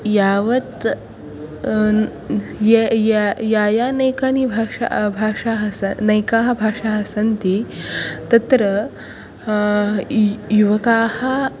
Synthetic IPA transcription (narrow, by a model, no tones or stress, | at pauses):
jaʋɐt̪ | jejjajanəjkanibʱaʂa̰bʱaʂaɦɐsnɐjkaɦɐbʱaʂaɦɐsɐnt̪it̪ɐt̪ɾə | juʋɐkahɐ